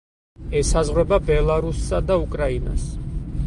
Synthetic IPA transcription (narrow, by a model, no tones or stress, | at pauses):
ɛsazʁwɛbabɛlˠaɾusːad̪aukʼɾaina̰s